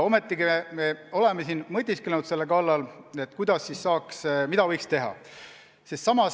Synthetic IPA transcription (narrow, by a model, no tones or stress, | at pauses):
o̞me̞t̪ːˑiɡimemeo̞le̞mesinmɤt̪ʲːiskelnud̪se̞lːekɑlːɑle̞t̪ːˑkujd̪̥ɑsːisːɑːksmid̪̥ɑvɤjkst̪e̞ɦɑ̰ | sest̪sɑmɑs